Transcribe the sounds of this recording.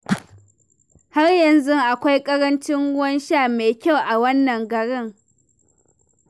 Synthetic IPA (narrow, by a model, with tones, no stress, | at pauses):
ha˦rjɐ˨nzʊ˦ŋʔa˨kʷa˦jkʼɐ˦ɾɐ˦nt͡ʃɪ˦ŋʊ˦wɐ˦nʃaː˦˨meː˨kʲa˦˨wʔa˨wɐ˦nːɐ˨ŋɡɐ˨ɽɪ˦ŋ